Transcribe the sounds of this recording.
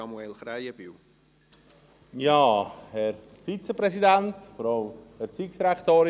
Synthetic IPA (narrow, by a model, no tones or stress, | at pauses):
ɑmuɛlχɾajəb̥iw | jɑːhɛɾ | fit͡səpɾɛsidæntfɔɾɑlmhɛɾt͡siksɾakt̪oːɾ